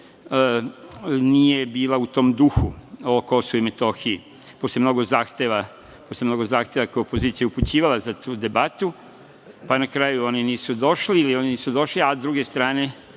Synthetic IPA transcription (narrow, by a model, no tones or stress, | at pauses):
nije̞biːlˠaut̪o̞ːmd̪uxuoko̞souime̞t̪o̞xii | posemno̞ɡo̞zaːxt̪eʋa | posemno̞ɡozaːxt̪eʋakojopo̞ziːt̪siauput͡ɕiːʋalazat̪uːd̪e̞bat̪u | panakɾaːjuo̞niniːsud̪o̞ʃliilioniniːsud̪o̞ʃliazd̪ɾuːɡest̪ɾaːne̞